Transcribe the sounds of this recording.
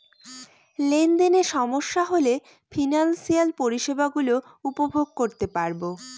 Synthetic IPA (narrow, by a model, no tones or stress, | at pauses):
lend̪eneɾʃɔmoʃːaɦole | fʰinansialpoɾiʃebaɡulo | upobʱoɡ̚koɾt̪epaɾbo